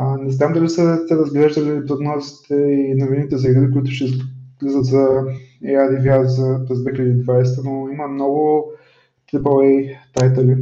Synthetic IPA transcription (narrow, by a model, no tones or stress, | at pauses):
nɛznamd̪ɐlisəsɛɾɐzɡlɛʒd̪əlipɾoɡ̪nɔzi̥t̪ʰɛinoviniit̪ɛzɐɡɾiɾikʊit̪ʊʃɛzlizət̪zɐɛaɾivʲjazzɐpɾɛzd̪vɛxilʲɛd̪iːd̪vajsɛt̪ənoiməmnɔɡʊ | t̪ɾipəlˠɛjt̪ajt̪əli